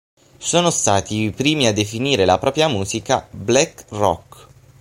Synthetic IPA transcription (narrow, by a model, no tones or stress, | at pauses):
soːnost̪aːt̪ipɾiːmiad̪ːefiniːɾelapɾɔːpɾjamuːzika̰blɛkrɔ̰k